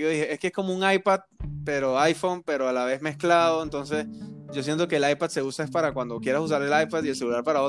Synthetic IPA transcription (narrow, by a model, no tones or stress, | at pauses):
oðiheʔeskeesko̞mouŋajpad̪̚pe̞ɾo̞ajfo̞mpe̞ɾo̞alaβe̞zme̞sklaðo̞ent̪o̞ns̬e̞sɟ͡ʝo̞s̬je̞nt̪o̞ke̞ːlajpad̪se̞usae̞spaɾakwand̪o̞kjeɾasus̬aɾe̞lajpaðie̞lse̞ɣulaɾpaɾao